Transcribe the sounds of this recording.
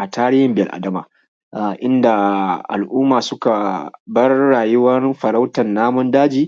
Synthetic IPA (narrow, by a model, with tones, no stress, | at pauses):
ʔa˨taː˦ɽɪː˦hɪ˦˨mbɪ˨jɐ̰˨lʔa̰˨dɐ˦ma̰ː˨ | ʔa˨ʔɪ˦nda˨ʔa̰˨lʔʊː˦maː˨sʊ˦ka˨bɐ˦rːaː˨jʊ˦wɐ˦nɸɐ˨ɾa˦wtɐ˨nːaː˦mʊ˦ndaː˦d͡ʒiː˦